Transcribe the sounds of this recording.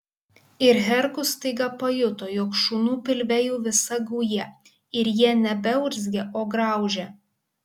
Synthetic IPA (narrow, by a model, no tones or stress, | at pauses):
ɪɾɦʲɛɾkʊst̪ɐɪɡɐpɐjʊt̪oːjoːkʃuːnuːpʲɪlʲʋʲɛjuːʋʲɪsɐɡuːjɛ | ɪɾjiɛnʲɛbʲɛʊɾʲzʲɡʲeʔoːɡɾɑˑʊʒʲeː